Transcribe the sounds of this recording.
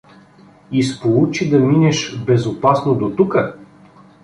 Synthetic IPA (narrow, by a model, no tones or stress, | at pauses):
ispolˠut͡ʃid̪ɐminɛʃbɛzopasnod̪ot̪ukə